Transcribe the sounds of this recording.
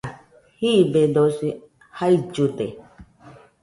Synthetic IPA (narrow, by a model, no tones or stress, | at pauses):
hibed̪osi | haid͡ʒut̪e